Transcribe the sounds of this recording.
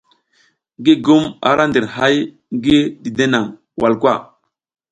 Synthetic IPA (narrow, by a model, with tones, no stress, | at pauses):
ŋɡi˦ɡu˦ma̰˨ɾʔa˦ndi˨ɾha˦j | ŋɡi˦di˨de˦na˨ŋ | wʔa˨lkwa˦˨